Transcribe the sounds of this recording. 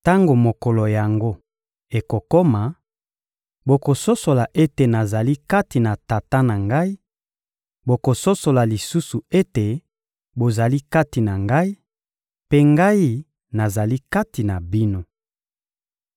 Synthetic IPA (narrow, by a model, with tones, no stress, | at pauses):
ta˦ŋɡo˨mo˨kɔ˨lo˨ja˨ŋɡo˦ | e˨ko˨ko˦ma˨ | bo˨ko˨so˦so˨la˨ʔe˦te˨na˨za˨li˦ka˦ti˨na˨ta˨ta˦na˨ŋɡa˦i˦ | bo˨ko˨so˦so˨la˨li˨su˦su˨e˦te˨ | bo˨za˨li˦ka˦ti˨na˨ŋɡa˦i˦ | pe˦ŋɡa˦i˦ | na˨za˨li˦ka˦ti˨na˨bi˦no˦